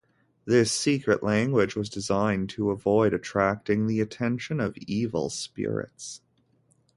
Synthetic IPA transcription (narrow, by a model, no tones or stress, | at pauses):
ðɪsikɹɨʔlæ̃ŋɡwɨd͡ʒwʌzdɨzãɪ̃ntʰəəvɔɪɾɨtʰɹ̥æk̚tɪ̃ŋðiɨtʰɛ̃nʃɨ̃nʌvivl̩ˠspɪ̰ɹɪ̰ts